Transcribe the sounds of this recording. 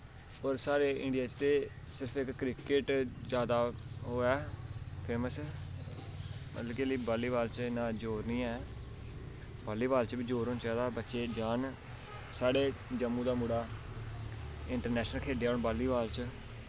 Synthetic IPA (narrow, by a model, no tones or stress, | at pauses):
ɔːɾsaːɾeːʔɪ̰̃ɳɖijaːt͡ʃt̪eː | sɪɾəpʰɪkːɾɪkɪʈd͡ʒjaːd̪aːɦoːɛːpʰeːməsɛ | mə̰t̪ləkeliːbaːliːbaːlt͡ʃɪnːãːd͡ʒoːɾnĩːɛː | baːliːbaːlt͡ʃbiːd͡ʒoːɾoːnt͡ʃaːd̪aːbətːʃeːd͡ʒaːn | saːɽeːd͡ʒəmːũːd̪aːmuɽaː | ɪɳʈəɾnɛːʃnəlkʰeːɖeːaoːɳbaːlːiːbaːlt͡ʃ